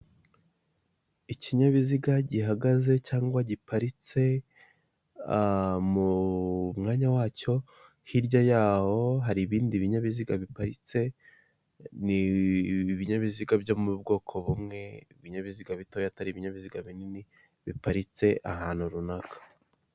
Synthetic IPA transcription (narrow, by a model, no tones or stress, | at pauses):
iciɲaβiziɡaɟiɦaɡaze̞caːŋɡwaɟipaɾit͡se̞ | mumŋaːɲawaːco̞ | hiɾɟajaːho̞ɦaɾiːβiːndiβiɲaβiziɡaβipaɾit͡se̞ | ni | βiɲaβiziɡabjo̞mubɡo̞ːkʰo̞βumŋe̞iβiɲaβiziɡaβitojataɾiːβiɲaβiziɡaβinini | βipaɾit͡se̞ʔahaːn̥huɾunakʰḁ